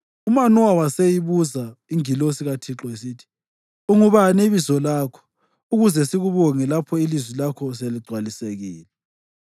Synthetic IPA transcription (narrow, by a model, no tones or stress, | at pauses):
umanɔwawasejiβuzaiŋilosiɣatʰiǁɔes̬itʰi̥ | uŋuβaniβizɔlaːkʰɔ̥ | uɣuzɛsiɣuβɔŋɛlapʰɔilizwilakʰɔs̬eliɡ͡ǀʱwaliseɣḭːlɛ